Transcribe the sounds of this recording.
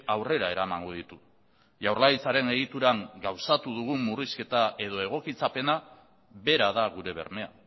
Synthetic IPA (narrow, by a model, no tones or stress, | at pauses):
awre̞ɾae̞ɾamaŋɡoð̞it̪u | ʝawɾrlait͡saɾe̞ne̞ɣit̪uɾaŋɡawsat̪uðuɣ̞umːuriske̞t̪aʔe̞ð̞o̞e̞ɣ̞o̞kit͡sape̞na | βe̞ɾaðaɣ̞uɾe̞β̞e̞̰ɾme̞a̰